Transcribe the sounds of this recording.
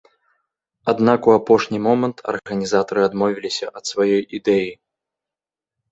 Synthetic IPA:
ad̪nakuapɔʂnʲimɔmɐnt̪ʰɐ̰rɣɐnʲizat̪ɐɾɨad̪mɔvʲilʲisʲɐʔɐt̪svajɔjid̪ɛji

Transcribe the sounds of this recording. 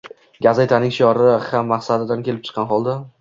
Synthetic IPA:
ɡʲazajt̪ʰanɪŋʲʃjɒɾɪhamːaχsad̪ɪd̪ankʲʰe̞lɪp̚t͡ʃʰɨ̥qʰːɑnχɒlˠd̪a

